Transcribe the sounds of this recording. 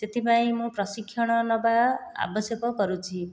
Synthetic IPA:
tet̪ʰipaĩmũpɾɔsikʰːjɔɽ̃ɔnɔbaa̰bɔsjɔkɔkɔɾut͡ʃʰi

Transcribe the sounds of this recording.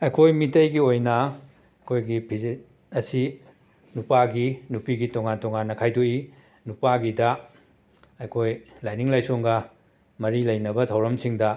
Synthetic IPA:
ɐjkʰojmitɐjɡiojnɐ | kʰojɡipʰizi | ɐsi | nupaɡinupiɡitoŋantɔŋanːɐkʰajdoi | nupaɡidɐ | ɐjkʰojlajniŋlajsoŋɡɐ | mɐɾilɐjnɐbɐtʰɐwɾɐmsiŋdɐ

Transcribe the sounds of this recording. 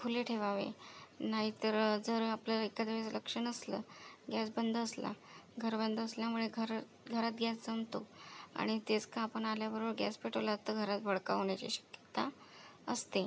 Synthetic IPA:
kʰuleʈʰeʋaʋḛnaɦit̪əɾd͡zəɾapləekad̪ʋet͡sləkʂəɳəslə̰ːɡjasbənd̪ʱːsla̰ɡʱəɾbənd̪ʱəsljamuɭeɡʱəɾ | ɡʱəɾat̪̚ɡʱjast͡səmt̪oa̰ɽ̃it̪et͡skãːpəɳaljabəɾobəɾɡja̰speʈolat̪ːəɡʱəɾat͡sbʱəɭka̰ɦoɳjat͡ɕḭɕə̥kjət̪aəst̪e

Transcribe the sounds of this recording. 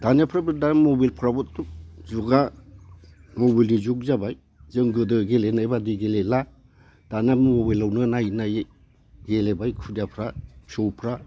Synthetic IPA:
d̥anijapʰɾabɯdanmobilpʰɾabɔttuzuɡa | mobilnizuk̚zabaj | zɯŋɡɯdɯɡelenajbadɯɡelela | d̥anammobajlawnɯnajnaj | ɡelebajkʰudiapʰɾapʰɔwpʰɾa

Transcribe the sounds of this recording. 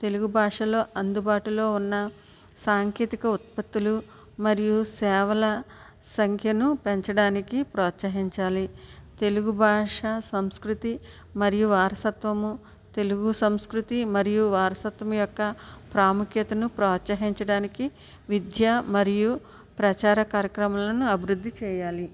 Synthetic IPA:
t̪e̞luɡubʱaːʂɐlo̞ːɐnd̪ubaːʈulo̞ːunːɐ | saːŋkeːt̪ikɐut̪̚pɐt̪ːulu | mɐɾijusɛːʋɐlɐ | sɐŋkʰjɐnupe̞ɲt͡ʃɐɽaːnikipɾɔːt̪sɐɦiɲt͡ʃaːlit̪e̞luɡubʱaːʂɐsɐmskɾut̪i | mɐɾijuʋaːɾɐsɐt̪ʋɐmu | t̪e̞luɡusɐmskɾut̪imɐɾijuʋaːɾɐsɐt̪ʋɐmujɔkːɐpɾaːmukjɐt̪ɐnupɾoːt̪sɐɦiɲt͡ʃɐɽaːniki | ʋid̪ʱjamɐɾiju | pɾɐt͡ʃaːɾɐkaːɾjɐkɾɐmɐlɐnuɐbʱiɾud̪ʱːit͡ʃɛːjaːli

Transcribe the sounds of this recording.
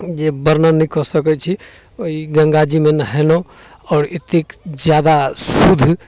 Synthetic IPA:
d͡ʒebəɾnənɛkɔsəkɛt͡ʃʰi | oiɡəŋɡad͡ʒimenɦɛnɔ | ɔːɾit̪ikd͡ʒjad̪asud̪ʱ

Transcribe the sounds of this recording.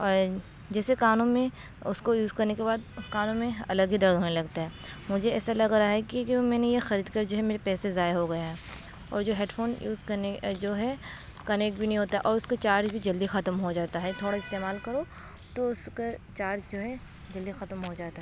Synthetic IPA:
ɔːɾ | d͡ʒɛːsekaːnõmẽ | ʊskojuːzkɐɾnekebaːd̪kaːnõmẽɐ̰ləɡɦid̪ɐɾd̪ɦoːnelɐɡ̚t̪aɦɛːmʊd͡ʒʱeɛːsalɐɡɾaɦɛkimɛ̃ːnejexɐɾiːd̪kɐɾd͡ʒoːɦɛmeːɾepɛːsezaːjeɦoɡɐjaɦɛː | ɔ̰ːɾd͡ʒoːɦeːʈfʰoːnjṵːzkɐɾned͡ʒoːɦɛ | kɐneːk̚ʈbʱinɐɦĩɦoːt̪aɦɛʔɔːɾʊskat͡ʃaːɾd͡ʒbʱid͡ʒɐld̪ixɐt̪mɦod͡ʒaːt̪aɦɛt̪ʰoːɽaɪst̪eːmaːlkɐɾo | t̪oʊsket͡ʃaːɾd͡ʒd͡ʒoːɦɛ | d͡ʒɐld̪ixɐt̪mɦod͡ʒaːt̪aɦɛɛ

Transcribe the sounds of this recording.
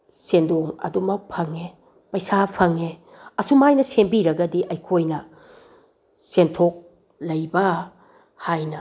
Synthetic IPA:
sendoŋɐ̰dumɐk̚pʰɐŋe | pɐjsapʰɐŋe | ɐsumajnɐsembiɾɐɡɐdiʔɐjkʰojnɐ | sentʰok̚ | lɐjbɐ | hajnɐ

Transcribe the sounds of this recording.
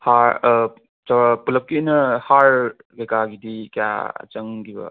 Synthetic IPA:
haɾ | t͡ʃɐwɾapulɐp̚kinɐhaɾ | bekaɡidikja̰ɐ̰t͡ʃɐŋɡibɐ̰

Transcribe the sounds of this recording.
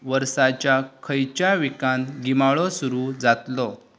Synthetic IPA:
ʋəɾsat͡ɕjakʰəjt͡ɕjaʋikanɡimaɭɔsuɾuːd͡zat̪lɔ

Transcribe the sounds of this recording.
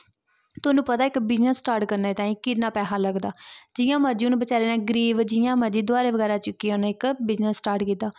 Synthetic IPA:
t̪ʊːnũːpət̪aːɪkbɪznəsːʈaːɾʈkəɾneːt̪ãːĩːkɪnaːpɛːɦaːləɡd̪aːd͡ʒɪjãːməɾd͡ʒiːʊnbət͡ʃaːɾeːnẽːɡəɾiːʋd͡ʒɪjãːməd͡ʒiːd̪ʊaːɾeːʋəɡɛːɾaːt͡ʃʊkːiãʊnːɪkbɪznəsːʈaːɾʈkiːt̪aː

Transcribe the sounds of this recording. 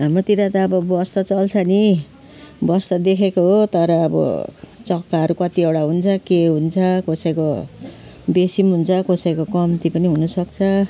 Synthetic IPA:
ɦamrot̪iɾat̪aːbʌbʌst̪ʌt͡sʌlt͡sʰʌni | bʌst̪ʌd̪ekʰekoɦot̪ʌɾʌːbʌ̰t͡sʌkːaɦʌɾukʌt̪iewɽaɦunt͡sʰʌkeɦunt͡sʰʌkosajko | besimɦunt͡sʰʌkosajkokʌmt̪ipʌniɦunʌsʌkt͡sʰʌ

